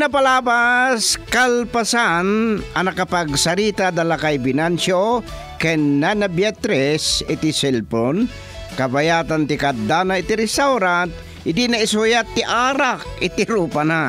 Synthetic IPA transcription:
nɐpɐlaːbaskalpasanʔɐnɐkɐpɐɡsɐɾiːt̪ad̪ɐlakajbɪnanso | kɛnanɐbjat̪ɾɛsɪt̪ɪsɛlpon | kɐbajaːt̪ant̪ɪkad̪anaɪt̪ɪɾɛst̪awɾant̪̚ | hɪd̪inɐɪsojat̪ːɪʔaːɾak̚ɪt̪ɪɾuːpana

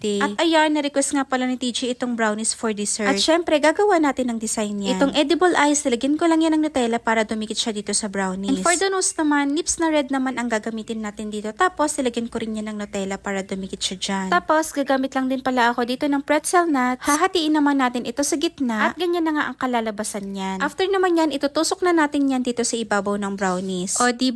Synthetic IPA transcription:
t̪ɛʔɐt̪ʔɐjanːɐɾɪkwɛst̪ŋapɐlanɐt̪id͡ʒiʔɪt̪oŋbɾawnɪsfoɹd̪ɪsɛʔɐʃɛmpɾɛɡaːɡɐwanaːt̪ɪnːɐŋd̪ɪsajnɲʔɪt̪oŋʔɛd̪ɪbɐlʔajst̪ɪlɐɡɪnkolɐŋjanɐŋnot̪ɛlɐpaːɾɐd̪ʊmikɪt̪̚ʃɐd̪iːt̪o̞sɐbɾawnɪɛnfoɹd̪ɐnosnɐmanːipsnɐɾɛd̪̚nɐmanʔɐŋɡaɡɐmiːt̪ɪnːaːt̪ɪnd̪iːt̪o̞t̪aːpo̞st̪ɪlɐɡɪnkoɾɪnjanɐŋnot̪ɛːlɐpaːɾɐd̪ʊmikɪt̪̚ʃad͡ʒant̪aːpo̞sɡaːɡaːmɪt̪lɐŋd̪ɪnpɐlaʔɐko̞d̪iːt̪o̞nɐŋpɹɛt̪sɛlnat̪haɦɐt̪iːʔɪnːɐmanːaːt̪ɪnʔɪt̪o̞sɐɡɪt̪naʔɐʔt̪̚ɡɐɲanːɐŋaʔɐŋkɐlaːlɐbasɐnɲanʔaft̪ɛɹnɐmanjanʔɪt̪ut̪uːsok̚nɐnaːt̪ɪnɲand̪iːt̪o̞sɐʔɪbaːbɐwnɐŋbɾawnisʔod̪iː

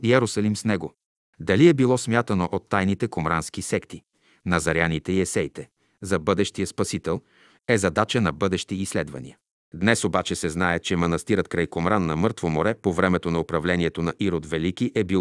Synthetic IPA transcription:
iɛɾosɐlimsnɛɡo | d̪ɐliɛbilˠɔsmʲjat̪ɐnoʔot̪ːajnit̪ɛkomɾanskisɛkt̪i | nɐzɐɾjanit̪ɛiɛsɛjt̪ɛ | zɐbɤd̪ɛʃt̪ijəspɐsit̪ɛlˠ | ɛzɐd̪at͡ʃənɐbɤd̪ɛʃt̪iːslɛd̪vɐ̰nḭə | d̪nɛsobat͡ʃɛsɛznaɛt͡ʃɛmɐnɐst̪iɾət̪̚kɾajkomɾanːɐmɤɾt̪vomoɾɛpovɾɛmɛt̪onɐopɾɐvlɛniɛt̪onɐʔiɾod̪vɛlik̟iʔɛbi

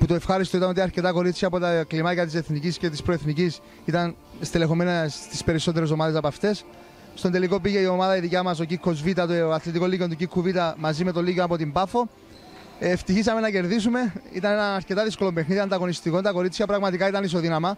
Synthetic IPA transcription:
put̪oefxɐɾist̪oit̪ɐanot̪iɐɾce̞t̪ɐko̞ɾit͡sçɐːpo̞t̪ɐklimɐcɐt̪is̬e̞θnicisce̞t̪ispɾo̞eθnicis | it̪ɐn | st̪ele̞xo̞me̞nɐst̪ispe̞ɾiso̞t̪̬eɾe̞s̬o̞mɐðe̞s̬ɐpɐft̪e̞s | st̪ond̪e̞liko̞piʝe̞io̞mɐðɐiðicɐmɐs̬o̞cikʰːo̞zvit̪ɐt̪oɐθlit̪iko̞licet̪ucikʰːuvit̪ɐmɐzime̞t̪o̞lːiceoɐpo̞t̪imbɐfo̞ | eft̪içis̬ɐme̞nɐce̞ɾðisume̞ḭt̪ɐne̞nɐɐɾce̞t̪ɐðisko̞lompexniðiɐnd̪ɐɣo̞nist̪iko̞nt̪ɐko̞ɾit͡sçɐpɾɐɣmɐt̪ikɐit̪ɐnis̬o̞ðinɐmɐ

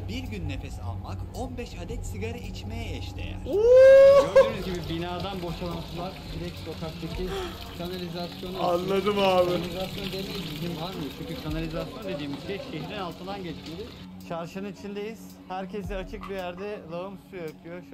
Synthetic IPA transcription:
biɾɟynːefesa̰lˠmakonbɛʃad̪ɛt̪siɡaɾait͡ʃme̞jɛɛʃlʲḛjæ̰ɾo | mizɟibibinaːd̪anbo̞ʃalˠant̪ʰɯlˠaɾd̪iɾɛcso̞k̪ʰaksecʰiz | kʰanalʲizasjo̞nanlːˠad̪ɯmaːbilʲizasjo̞nd̪emʲejizid̪invaɾmɯjot͡ʃʰyɲcykʰanalʲizasjo̞nd̪e̞d̪iːmizɟɛʃeɦiɾinalˠt̪ʰɯnd̪anɟɛt͡ʃmed̪ɪ | t͡ʃʰaɾʃɯnɯnit͡ʃʰind̪ejiz̥ | hæɾcʰes̬ɛat͡ʃʰɯk̚bijæɾd̪ɛlˠaumsyjøt̪ʰyjoʃ

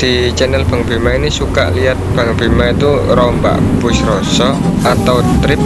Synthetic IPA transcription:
d̪̥i̤t͡ʃɛnɛlb̥a̤ŋb̥i̤mainisuka̰ʔliat̪̚b̥a̤ŋb̥i̤mait̪uɾɔmba̰ʔbʊsɾɔsɔat̪awt̪ɾɪp̚

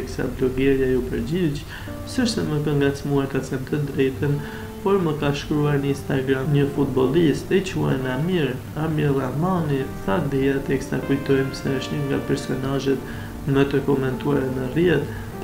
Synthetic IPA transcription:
ksa̰blɔɡɛɾjajupəɾd͡ʑit͡ɕ | səʃsɛmək̪əŋɡat͡smuat̪at͡sɛnt̪əd̪ɾɛjt̪ən | pɔɾməkaʃkɾuaɾnəinst̪aɡɾamɲəfut̪̚bɔlˠisɛt͡ɕua̰namiɾ | amilamaniθad̪iat̪ɛksakujt̪ɔjmsɛəʃtɲəŋɡa̰pɛɾsɔnaʒɛt̪ | mət̪əkɔmɛnt̪uaɾɛnərjɛt̪

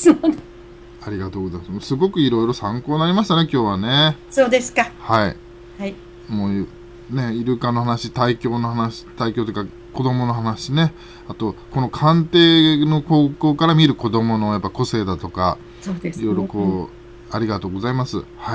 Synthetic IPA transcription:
so | aɾʲiɡat̪o̞ːɡo̞zaimasmosɨɡo̞kɯ̟iɾo̞iɾo̞sãŋkoːnaɾʲimaɕi̥t̪ane̞kʲo̞ːβane̞soːd̪esɨ̥kahai | ai | moː | ne̞iɾɯ̟kano̞hanaɕit̪aikʲo̞ːno̞hanaɕi̥t̪aikʲo̞ːt̪oika | ko̞d̪o̞mo̞noɦanaɕine̞ | at̪o̞ko̞no̞kʰãnt̪e̞ːno̞ko̞ːko̞ːkaɾamʲiɾɯ̟ko̞d̪o̞mo̞no̞japːako̞se̞ːd̪at̪o̞ka̰ | soːd̪eiɾo̞ɾokoː | aɾʲiɡat̪o̞ːɡo̞zaimasɨ̰hai

